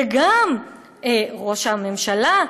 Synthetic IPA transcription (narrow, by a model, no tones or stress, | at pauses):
eɡam | eʁo̞ʃamemʃala